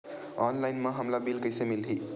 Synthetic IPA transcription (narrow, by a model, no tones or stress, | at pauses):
ɔnlajnmaɦəmlabilkəjsemilɦi